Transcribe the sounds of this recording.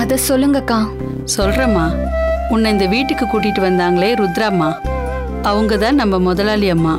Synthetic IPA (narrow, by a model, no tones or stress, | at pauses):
ɐðɐsɔlːɯŋɡɐkãː | sɔlɾɐmaːʊnːɐɪnd̪ɐʋiːʈːɯkːɯkuːʈ̬ːɪʈːɯʋɐnd̪aːŋɡɐɭeːɾʊd̪ɾaːmːaː | ɐʋɯŋɡɐt̪ãːnɐmːɐmɔðɐlaːlɪjɐmːaː